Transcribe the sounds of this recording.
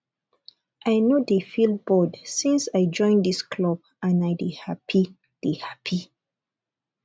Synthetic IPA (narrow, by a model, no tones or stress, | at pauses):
ʔaɪnodefild̚bɔdsĩnsaɪd͡ʒɔ̃ɪ̃nd̪iskʰlɔb | ʔãnajdihapʰi | d̥ihapʰi